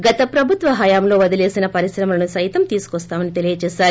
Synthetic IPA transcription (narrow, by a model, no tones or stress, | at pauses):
ɡɐt̪ɐpɾɐbʱut̪ʋɐɦɐjaːmlo̞ːʋɐd̪ile̞ːsinɐpɐɾisɾɐmɐlɐnusɐjt̪ɐmt̪iːsu̥kɔst̪aːmɐnit̪e̞lijɐt͡ʃeːʃaːɾu